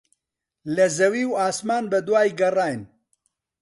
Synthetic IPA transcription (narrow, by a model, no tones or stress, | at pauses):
lɐzɐwiːwaːsmaːnbɐd̪waːjɡɐraːjn